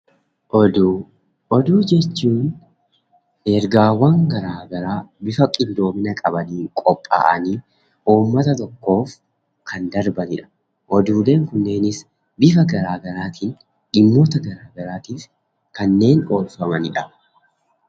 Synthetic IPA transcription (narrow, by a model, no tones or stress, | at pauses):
ʔɔd̪u | ʔɔd̪uːd͡ʒɛt͡ʃːuːn | ʔeːɾɡaːwɐŋɡɐɾaːɡɐɾaːbɪfɐkʼɪnd̪o̞ːmɪnɐkʼɐbɐniːŋkʼɔpʼːa̰ːʔɐ̰niː | ʔuːmːɐt̪ɐt̪ɔkːo̞ːf | kʰɐnd̪ɐɾbɐnɪᶑɐ̥ | ʔɔd̪uːle̞ːŋkʊnːe̞ːnɪs | bɪfɐɡɐɾaːɡɐɾaːt̪ʰiːn | ʔɪmːo̞ːt̪ɐɡɐɾaːɡɐɾaːt̪iːf | kɐnːe̞ːno̞ːlfɐmɐnɪᶑɐ